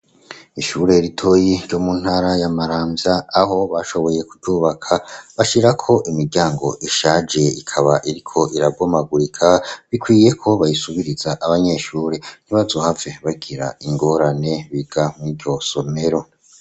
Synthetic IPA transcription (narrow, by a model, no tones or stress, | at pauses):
iʃuɾe̞ɾitʰo̞ːjiɾɟomun̥haɾajamaɾaːmbjaːɦo̞βaʃo̞βo̞je̞kuɟuːβakʰaβaʃiɾakʰo̞ʔimiɾɟaːŋɡo̞ʔiʃad͡ʒe̞ikʰaβaʔiɾikʰo̞ʔiɾabɡomaɡuɾikʰaβikwiːje̞kʰo̞βajisuβiɾizaʔaβaɲe̞ʃuːɾe̞n̥iβazohavjeβaɡiɾa̰iŋɡo̞ɾane̞βiɡ̥amŋiːɾɟo̞so̞me̞ɾo̞